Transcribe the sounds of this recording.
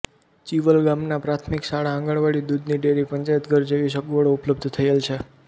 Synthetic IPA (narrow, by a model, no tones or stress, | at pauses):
t͡ʃiʋəlɡamnapɾat̪ʰmiksaɭaə̃ŋɡəɭʋaɭid̪ud̪niɖeɾipəɲt͡ʃajət̪ɡəɾd͡ʒeʋiʃ̬əɡuʋəɽoupləb̚d̪ʱt̪ʰəjelt͡ʃʰe